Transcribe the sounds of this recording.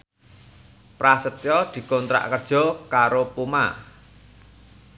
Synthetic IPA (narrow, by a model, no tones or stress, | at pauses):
pɾasət̪jɔd̪̥i̤kɔnt̪ɾa̰ʔkərd̥ʒ̥ɔ̤kaɾopuma̰